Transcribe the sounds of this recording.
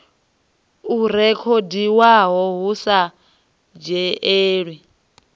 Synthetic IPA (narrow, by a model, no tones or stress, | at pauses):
uɾɛkʰɔdiwaɦɔɦusa | d͡ʒɛeːɺwi